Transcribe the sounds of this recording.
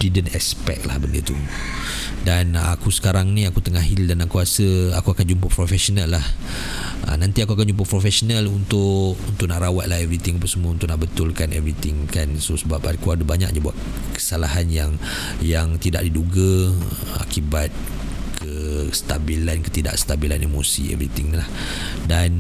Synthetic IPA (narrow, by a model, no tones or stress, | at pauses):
didənɛkspɛ̰k̚la̰hbəndə̰t̪u | dana̰kusə̥kaɾaŋnĩakut̪əŋaɦɪldanaʔkuasəakuakand͡ʒumpapɾofɛsonalːah | ʔə̰nãnt̪iakuakand͡ʒump̬apɾofɛsonalunt̪ʊʔʔunt̪ʊʔnaʔɾawat̪lahɛvɾit̪ɪŋapasəmuaunt̪ʊʔnaʔbət̪ʊlkanɛ̰vɾit̪ɪŋkansosəbapakuadəbaɲa̰k̚d͡ʒəbua̰t̪̚ | kə̥salaɦanjaŋ | jaŋt̪ida̰ʔ̚diduɡa | a̰kibat̪̚ | kʰəsə̥t̪abilankə̥t̪ida̰ʔsə̥t̪abila̰nemo̰sḭɛ̰vɾit̪ɪŋnilah | dan